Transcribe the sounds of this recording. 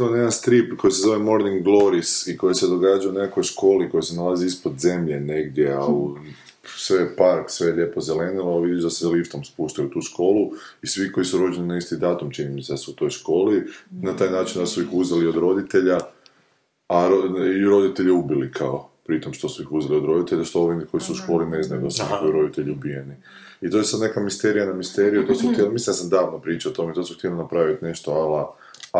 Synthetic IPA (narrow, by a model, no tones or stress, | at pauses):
onjed̪anst̪ɾipkʰo̞jisezo̞ʋe̞mo̞ɾniŋɡlˠo̞ɾisiko̞jese̞d̪o̞ɡaːd͡ʒajunekako̞jʃko̞ːliko̞jise̞nalaziispod̪ze̞mʎe̞ne̞ɡd̪ʲje̞au | sʋepaɾksʋe̞ʎʲe̞po̞zele̞niloʋid̪id̪asezalift̪o̞mspuʃt̪ajut̪uːʃko̞ːluisʋiko̞jisuɾo̞d͡ʒeninaist̪id̪aːt̪umt͡ʃinimiseasuut̪o̞jʃko̞ːlinat̪aːjnaːt͡ʃind̪asuixuzalio̞d̪ɾo̞d̪it̪e̞ʎa | aɾoiɾo̞d̪it̪e̞ʎiubilikʰaopɾit̪o̞mʃt̪o̞suixuzaliod̪ɾo̞d̪it̪e̞ʎaʃt̪ooʋinkʰo̞isuuʃko̞ːline̞znajud̪asuojuɾo̞d̪it̪e̞ʎiubije̞ni | it̪o̞jesad̪nekamist̪e̞ɾijanamist̪eɾijut̪o̞suxt̪jelmislind̪asamd̪aːʋnopɾiːt͡ʃaot̪o̞met̪osuxt̪je̞linapɾaʋit̪ne̞ʃt̪oala